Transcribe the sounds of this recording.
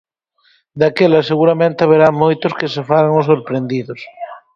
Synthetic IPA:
d̪akelaseɣuɾamẽnt̪aβ̞eɾamojt̪oskesefaɾaŋosoɾpɾend̪iðos

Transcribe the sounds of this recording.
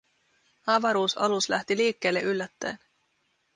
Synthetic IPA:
ɑʋɑɾuːsɑ̰luslæht̪iliːkːe̞ːlːeʔylːæt̪ːæ̰ːn

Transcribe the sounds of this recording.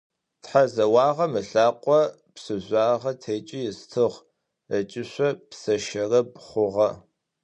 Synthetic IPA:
tħazɐwɑːʁɐmɨɬaːqʷʼɔ | psɨʑʷaːʁɐtʰeːt͡ʃʼɪjɪstʰɨʁ | ət͡ʃʼɪɕʷɔpsɐʃɐrɐpʼχʷʊʁɐ

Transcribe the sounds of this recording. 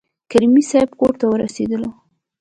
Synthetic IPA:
kaɾimisajbkoʈt̪awəɾa̰sed̪əlo

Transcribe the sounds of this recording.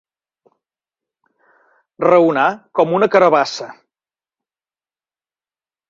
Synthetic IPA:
rəunakɔmunəkəɾəβasə

